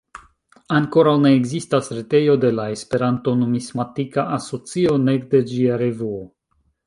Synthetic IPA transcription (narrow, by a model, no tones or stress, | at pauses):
aŋko̞ɾawne̞ːɡzistasɾete̞jo̞de̞lae̞spe̞ɾanto̞nomismatikaaso̞t͡sio̞ne̞ɡde̞d͡ʒiaɾe̞vuo